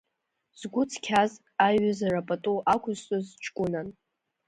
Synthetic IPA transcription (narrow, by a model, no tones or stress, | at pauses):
z̥ɡʷʊt͡sʰkʲʰaz | aɥazarapʼatʼuʔakʷʰʊztʼozt͡ʃʰʼkʷʼʊnan